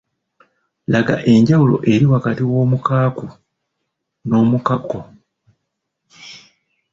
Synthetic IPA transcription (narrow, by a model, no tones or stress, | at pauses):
laɡa̰ʔe̞ɲɟawulo̞̰ʔe̞ɾiwakatiwo̞ːmukaːku | no̞ːmukako